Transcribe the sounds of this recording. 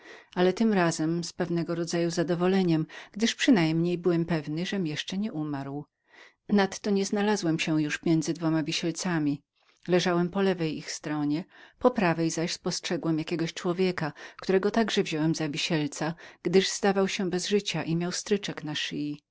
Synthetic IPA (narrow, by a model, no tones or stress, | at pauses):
alɛt̪ɘmɾazɛmspɛvnɛɡɔɾɔd̪zajuzad̪ɔvɔlɛɲɛmɡ̥d̪ɘʂpʂɘnajmɲejbɘwɛmpɛvnɘʐɛmjɛʂt͡ʂɛɲɛʔumaɾw | nat̪ːɔɲɛznalazwɛmɕɛjuʂmʲjɛnd̪zɘd̪vɔmavʲiɕɛlt̪samʲi | lɛʐawɛmpɔlɛvɛjixst̪ɾɔɲɛpɔpɾavɛjzaɕspɔstʂɛɡwɛmjakʲɛɡɔɕt͡ʂwɔvʲjɛkak̚t̪uɾɛɡɔt̪aɡʐɛvʑɔwɛmzavʲiɕɛlt̪saɡ̥d̪ɘʐz̥d̪avawɕɛbɛzʐɘt͡ɕaʔimʲjawst̪ɾɘt͡ʂɛknaʂiji